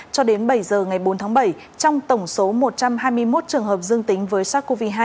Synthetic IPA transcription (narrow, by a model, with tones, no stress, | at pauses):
t͡ɕɔ˧ɗe˨˦nɓə˧˩jzəː˨˩ŋa˨˩jɓo˨˦nt̪ʰaː˨˦ɓə˧˩j | t͡ɕɔ˧wŋ͡mt̪ə˧˩wŋ͡mso˨˦mo˨˩t̚t͡ɕa˧mɦaː˧jmɨ˧əjmo˦˥t̚t͡ɕɨ˨˩əŋhɦəː˨˩p̚zɨ˧əŋt̪ï˨˦ŋ̟vəː˨˦jsaː˦˥kːo˧vi˧˩ɦaː˧